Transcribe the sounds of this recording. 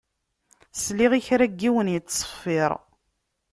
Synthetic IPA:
sliʁiçɾæɡːiwənjəːə̥fːɪɾˤ

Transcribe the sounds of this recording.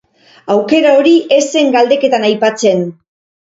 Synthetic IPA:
awke̞ɾao̞ɾiʔe̞se̞ŋɡald̪e̞ke̞t̪anajpat͡se̞n

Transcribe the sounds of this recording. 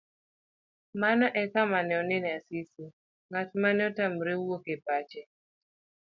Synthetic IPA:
manɔʔɛkamanɛɔnɛnɛasisi | ŋat͡ʃmanɛɔtamɾewokepat͡ʃɛ

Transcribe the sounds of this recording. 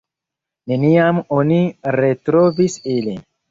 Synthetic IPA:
ne̞niamoniɾetɾovisilin

